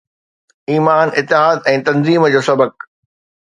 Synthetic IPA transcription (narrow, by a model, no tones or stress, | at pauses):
iːmaːnʔɪt̪ːɪɦaːd̪ɛ̃ːt̪ɐ̃nziːmd͡ʑoːsɐbək̚